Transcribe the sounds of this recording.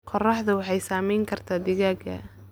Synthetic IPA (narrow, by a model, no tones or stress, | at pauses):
qɔrɑħðɐwɑħɑjsaːmɛjŋkʰɐrt̪ʰaːd̪ɪɣaːɡɐ̰